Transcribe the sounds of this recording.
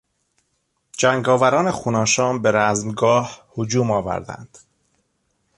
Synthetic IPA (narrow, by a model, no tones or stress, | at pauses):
d͡ʒæŋɡɒːvæɾɒːnexuːnɒːʃɒːnbeɾæzmɡɒːhhod͡ʒuːmɒːvæ̰ɾd̪æ̰nd̪̥